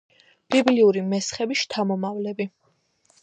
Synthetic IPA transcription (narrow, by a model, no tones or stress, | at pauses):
b̥ibliuɾimɛsχɛbiʃt̪ʰamɔmavlɛbi